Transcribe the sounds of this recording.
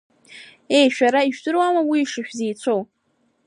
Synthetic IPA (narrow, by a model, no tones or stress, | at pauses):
e̞jʃᶣaɾaiʒᶣdɨɾwamawiːʂɨʃᶣzejt͡ɕʷʰow